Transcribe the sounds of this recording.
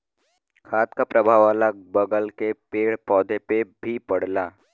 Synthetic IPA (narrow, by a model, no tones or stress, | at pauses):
kʰaːt̪kapɾəbʱaːʋaːlabəɡəlkepeːɽpɔːd̪ʱepebʱipɐɽ̤laː